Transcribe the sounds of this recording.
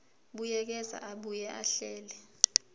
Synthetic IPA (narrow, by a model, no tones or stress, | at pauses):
ɓujɛk̬ɛza̰ʔaɓujɛʔaɬɛːlɛ